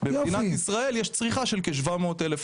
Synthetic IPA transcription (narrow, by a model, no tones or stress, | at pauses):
beinat̪isʁae̞ljeʃt͡sʁiχaʃelkeʃ̬vamo̞ːt̪elef